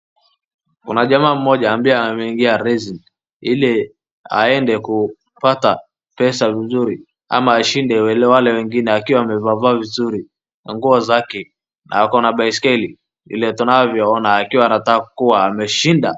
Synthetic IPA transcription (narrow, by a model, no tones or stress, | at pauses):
kṵnaʄamaːm̩mɔʄaːmbiamɛiŋɡiaɾɛzin | ilɛ | a̰ɛndɛku | pata | pɛsavizuɾi | a̰maːʃindɛwɛlɛwalɛwɛŋɡinɛakiwaːmɛvavaːvizuɾi | naŋɡuɔzakɛ | na̰akɔnaɓaiskɛli | vḭlɛtunaɔvjɔɔnaːkiwaːnatakakuwaːmɛʃinda